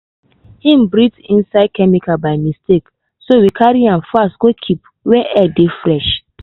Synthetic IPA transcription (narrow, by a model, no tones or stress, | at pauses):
hĩm̩bɾitĩnsaɪd̚kɛmikabaɪmistek | sowikʰaɾiãnfastɡ̥okʰip | wɛʔɛdefɾɛʃ